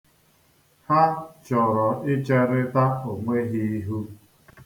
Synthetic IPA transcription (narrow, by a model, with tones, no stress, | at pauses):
ha˦t͡ʃɔ˨ɾɔ˨ɪ˦t͡ʃe˦ɾɪ˦ta˦o˨ŋʷe˦ɦi˦i˦ɦu˦